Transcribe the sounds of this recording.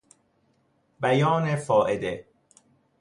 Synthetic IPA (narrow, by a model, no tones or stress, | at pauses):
bæjɒːnefɒːʔed̪e